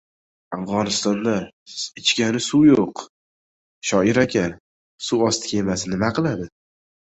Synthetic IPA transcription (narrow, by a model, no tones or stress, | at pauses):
afʁɒnɪst̪ɒnd̪a | ɪt͡ʃkʲanɪsujoq | ʃɒɪɾakʲʰa | suɒst̪ʰɪ̥kʲʰemasɪnɪmaqʰɨlˠad̪ɪ